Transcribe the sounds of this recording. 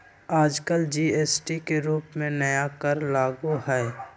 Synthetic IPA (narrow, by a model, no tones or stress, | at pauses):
aːd͡ʒkəld͡ʒiːeːsʈikeɾuːpmẽnəjakəɾlaːɡuɦɛː